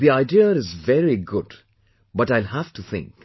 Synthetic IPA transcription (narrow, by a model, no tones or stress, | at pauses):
ðiaɪdiəɾɪzvɛɾiɡʊd | bʌʈaɪlhæfʈuθɪ̰̃ŋk